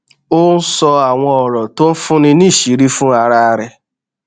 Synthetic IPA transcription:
ʊ˦n̩˦sɔ˧a˨ŋʷɔ˦ɔ˨ɾɔ˨to˦m̩˦fʊ˦nɪ˦ni˦˨ʃi˨ɾi˦fʊ˦a˨ɾa˦a˦ɾɪ˦

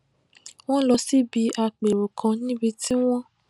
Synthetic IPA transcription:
w̃ɔ̃˦lɔ˧si˦bi˧a˧k͡pe˨ɾo˨kʰã˧nĩ˦bi˧ti˦w̃ɔ̃˦

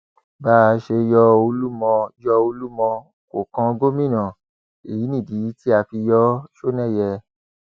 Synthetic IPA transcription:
baː˦˧ʃe˧jɔ˧o˧lu˦mɔ̃˧jɔ˧o˧lu˦mɔ̃˧ | ko˨kã˧ɡo˦mĩ˦˨nã˨ | e˨ji˨˦nĩ˦˨di˨˦ti˦a˧fi˧jɔ˦ʃo˦nɛ̃˦˨jɛ˧

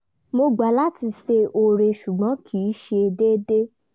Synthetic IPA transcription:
mo˧ɡ͡ba˨˦la˦ti˧se˧o˧ɾe˧ʃu˨ɡ͡bɔ̃˨˦kʰiː˨˦ʃe˧de˦de˦

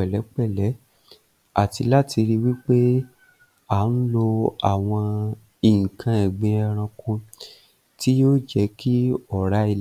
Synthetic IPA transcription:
ɛ˨lɛ˨˦k͡pɛ˦˨lɛ˨˦ | a˦˨ti˧la˦tʰi˧ɾi˦wi˦k͡pe˦ | a˨˦n̩˦lo˧a˨w̃ɔ̃˧ | i˨ŋ̩˨kʰã˧ɛ˨ɡ͡bẽ˧ɛ˧ɾ̃ã˧kũ˧ | ti˦jo˦d͡ʒɛ˧˦ki˦ɔ˦˨ɾa˨˦i˧l

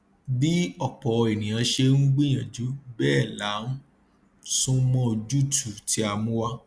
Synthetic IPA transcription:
bi˦ɔ˨k͡pɔ˨˧e˨nĩ˨j̃ã˨˧˦ʃe˧nũ˦ɡ͡bĩ˦j̃ã˨d͡ʒu˨˦bɛː˦˨la˨˦nũ˦ | sũ˦mɔ̃˦o˧d͡ʒu˦˨tʰu˨ti˦a˧mũ˦wa˧

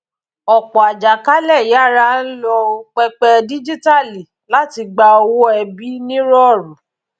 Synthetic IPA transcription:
ɔ˨k͡pɔ˨a˨d͡ʒa˨ka˦lɛ˦˨ja˦˨ɾa˦n̩˦lɔ˧o˦˧k͡pɛ˧k͡pɛ˧di˦d͡ʒi˦ta˦˨li˨ | la˦ti˧ɡ͡ba˧o˧wɔ˦ɛ˧bi˦nĩ˦ɾɔ˦˨ɾũ˨˦

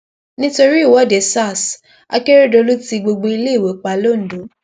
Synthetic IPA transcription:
nĩ˦to˧ɾi˦˨wɔ˨˦de˨sa˦˨s | a̰˧ke˦ɾe˦do˧lu˦ti˧ɡ͡bo˧ɡ͡bo˧i˧le˦i˦˨we˨˦k͡pa˧lo˦˨n̩˨do˨˦

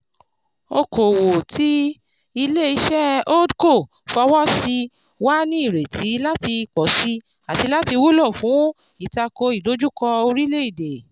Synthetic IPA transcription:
o˧ko˨wo˨ti˦ | i˧le˦i˧ʃɛ˦o˦dko˦˨ | fɔ˧wɔ˦si˧ | wa˦nĩ˦i˦˨ɾe˨tʰi˨˦la˦ti˧k͡pɔ˨si˦ | a˨ti˨˧˦la˦ti˧wu˦lɔ˦˨fũ˨˦ | i˨ta˧ko˧i˨do˨˦d͡ʒu˦kɔ˧o˧ɾi˦le˦i˦˨de˨

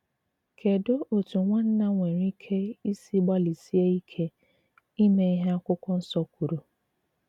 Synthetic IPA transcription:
kʰe˨do˦ʔo˨tu˨ŋʷa˦n̩˦na˦ŋʷe˨ɾi˦kʰe˦i˦si˦ɡ͡ba˦li˨si˦e˦i˦kʰe˦ | i˦ne˨i˦ɦe˦a˦kʷʊ˦kʷɔ˦n̩˦sɔ˦kʷu˨ɾu˨

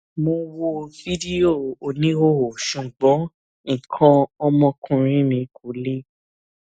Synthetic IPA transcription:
mõ˧wo˧vi˦di˦o˦˨o˧˨nĩ˨˦o˦o˨ʃũ˨ɡ͡bɔ̃˨˦ | ĩ˨kʰã˧ɔ˦mɔ̃˧kũ˧ɾ̃ĩ˦mĩ˧kʰu˨˦le˦

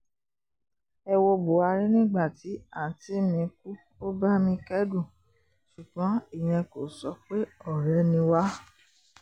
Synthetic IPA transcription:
ɛ˧wo˧bo˨a˧ɾi˦nĩ˦ɡ͡ba˦˨ti˨˦a˦˨ti˦mĩ˧ku˦ | o˦ba˦mĩ˧kɛ˦du˦˨ | su˨ɡ͡bɔ̃˨˦i˦˨j̃ɛ̃˧ko˨sɔ˧k͡pe˦ɔ˦˨ɾɛ˨˦nĩ˧wa˦

